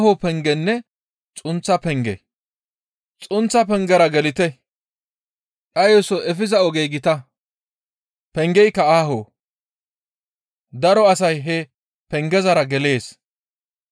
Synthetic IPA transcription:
hopɛŋɡɛnːɛ | t͡sʼʊnt͡sːɐpɛŋɡɛ̰ | t͡sʼʊnt͡sːɐpɛŋɡɛɾɐɡɛlɪt̪ɛ | ʔʼɐjɔsɔʔɛfɪzɐɔɡejɡɪt̪ɐ | pɛŋɡɛjkːɐaːɦoː | d̪ɐɾɔɐsɐjɦɛ | pɛŋɡɛzɐɾɐɡɛle̞ːs

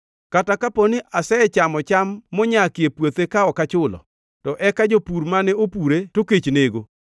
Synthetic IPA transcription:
katakaponɪʔasɛt͡ʃamɔt͡ʃamːɔɲakɪepwot̪ekaɔkat͡ʃʊlɔ̰ | tɔʔɛkad͡ʒopuɾmanɛopuɾetoket͡ʃneɡo

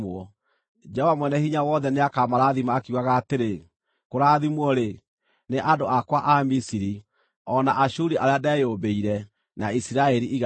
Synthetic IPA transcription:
ɔ | d͡ʒɛɔvamwɛnɛhiɲawɔðɛneakamaɾaːðimaːkeuɣaɣaːteɾe | koɾaːðimwɔɾe | neʔadoʔakwaʔamisiɾi | ɔnaʔaɕuɾiʔaɾeadɛjoːbeiɾɛ | naisiɾaɛɾiiɣ

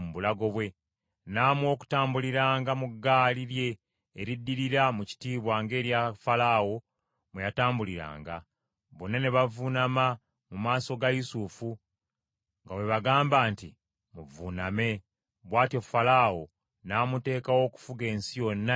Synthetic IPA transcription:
muβulaɡo̞βwe̞ | naːmwo̞ːku̥taːmbuliɾaːŋɡamuɡːaːliɾje̞ː | ɾidːiɾiɾamuci̥tiːβwaːŋɡe̞ːɾjafalaːwo̞ | mwejataːmbuliɾa̰ːŋɡa | βo̞nːaneβavunama | mumaːso̞ɡajusufu | ŋɡawe̞βaɡaːmbaːntḭ | muvuname̞ | βwaːtio̞falaːwo̞ | naːmute̞ːkawo̞ːku̥fuɡe̞ːnsijo̞nːa

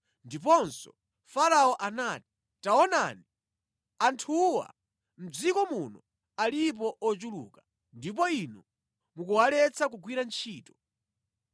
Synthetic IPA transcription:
ndip̬ɔnsɔ | faɾaɔʔanati̥ | taɔna̰ːni | antʰuwa̰ | m̩d͡zikɔmunɔ | alip̬ɔʔɔt͡ʃulṵːkḁ | ndip̬ɔinɔ | mukuwalɛt͡sʰakuɡwiɾant͡ʃʰiːtɔ̥

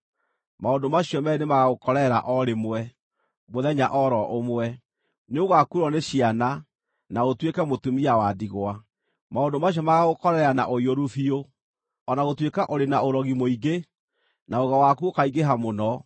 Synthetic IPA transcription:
maondomaɕjɔmɛnemaɣaɣokɔɾɛɾa̰ʔɔɾemwɛ | moðɛɲaʔɔɾɔʔomwɛ | neoɣakuɾɔneɕiana | naɣotwekɛmotumiawadiɣwa | maondomaɕiɔmaɣaɣokɔɾɛɾanaʔoioɾufio | ɔnaɣotwekaʔoɾenaoɾɔɣimoiɡe | naoɣawakuokaiɡeɦamonɔ

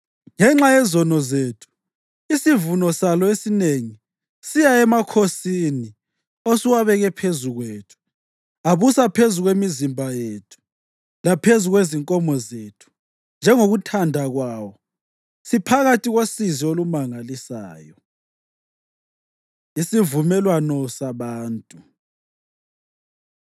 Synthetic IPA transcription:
ŋɛŋ͡ǁajɛzɔnɔzeːtʰu̥ | isivunɔsalɔesineŋi | sijaɛmakʰosini | osiwaβɛɣɛpʰezuɣweːtʰu̥ | aβusapʰezuɣwemizimbʱajetʰu̥ | lapʰezuɣweziŋkʼɔmɔzeːtʰu̥ | nd͡ʒʱɛŋoɣutʰandʱaɣwaːwɔ | sipʰaɣatʼiɣosiziolumaŋalisaːjɔ | isivumɛlwanɔsaβaːntʼu

